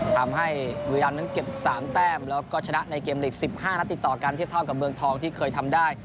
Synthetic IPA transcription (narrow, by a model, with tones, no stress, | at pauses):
t̪ʰaː˧mɦa˥˩jwu˧i˧laː˧nːa˦˥nke˨˩p̚saː˩˦mt̪ɛː˥˩mlɛː˦˥wkɔː˥˩t͡ɕʰa˧na˦˥ʔna˧jkeː˧mleː˨˩k̚si˨˩p̚haː˥˩na˦˥t̪ːi˨˩t̪ːɔː˨˩kaː˧nt̪ʰi˥˩t̪ʰa˥˩wka˨˩p̚mɯ˧əŋt̪ʰɔː˧ŋt̪ʰiː˥˩kʰɤː˧jt̪ʰa˧mdaː˥˩j